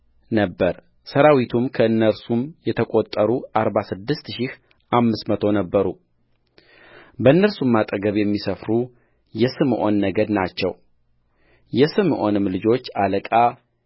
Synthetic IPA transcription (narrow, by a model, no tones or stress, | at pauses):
nəbːəɾ | səɾawit̪ʰumkʰəɨnːəɾsumjɛt̪ʰəkʼo̞t̪ʼːəɾuʔaɾbasɨd̪ːɨst̪ʃɪh | ʔamːɨsmət̪ʰo̞nəbːəɾu | bəɨnːəɾsumːat̪ʼəɡəβjɛmːisəfɾu | jɛsɨmʔo̞̰nːəɡəd̪nat͡ʃːɛ̰w | jɛsɨmʔo̞nɨmlɨd͡ʒo̞t͡ʃːaləkʼa